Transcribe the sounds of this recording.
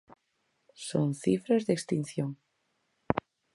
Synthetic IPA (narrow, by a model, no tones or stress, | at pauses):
so̰nθifɾazðekst̪inθjoŋ